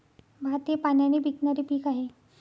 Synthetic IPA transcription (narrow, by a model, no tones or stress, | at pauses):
bʱat̪epanjaniːbʱiknaɾiːpiːkaɦe